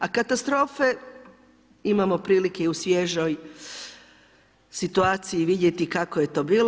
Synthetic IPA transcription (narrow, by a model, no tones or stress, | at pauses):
akat̪ast̪ɾo̞ːfe̞ | imamo̞pɾiːlikeusʋjeʒoj | sit̪uaːt̪sijiʋid̪je̞t̪ikakoje̞t̪o̞ːbiːl